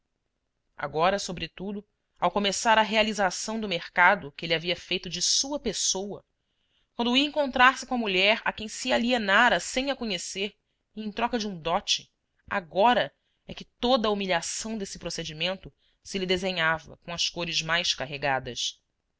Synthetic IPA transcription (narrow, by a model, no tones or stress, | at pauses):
a̰ɡɔɾɐsobɾɪt̪ud̪ʊ | awkomesaɾɐɦealizasɐ̃w̃d̪ʊmeχkad̪ʊkɪeliaviɐfejt̪ʊd͡ʒɪsuɐpesowɐ | kwɐ̃nd̪ʊiɐẽŋkõnt̪ɾaɾsɪkõɐmuʎɛɾakẽj̃sialienaɾɐsẽj̃ɐkõɲeseɾ | ẽj̃t̪ɾɔkɐd͡ʒɪũd̪ɔt͡ʃɪ | a̰ɡɔɾɐ | ɛkɪt̪od̪ɐumiʎasɐ̃w̃d̪esɪ̥pɾosed͡ʒimẽnt̪ʊ | sɪlɪd̪ezẽɲavɐ̰kõɐskoɾɪzmajskaɦeɡad̪ɐs